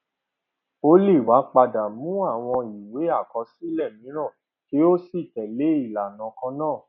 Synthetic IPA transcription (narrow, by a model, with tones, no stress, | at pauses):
o˦li˦˨wa˨˦k͡pa˧da˨mũ˦a˦˨w̃ɔ̃˧i˨we˨˦a˦˨kɔ˧˦si˦lɛ˦˨mĩ˨˦ɾ̃ã˦˨ | ki˨˦o˦si˦˨tɛ˨le˨˦i˦˨la˨nã˨˦kã˧nãː˦˨